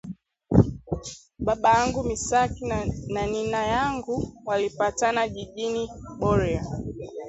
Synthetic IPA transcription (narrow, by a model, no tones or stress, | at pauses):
ɓaɓajaŋɡumisakinaninajaŋɡuwalipatanaʄiʄiniɓɔɾɛa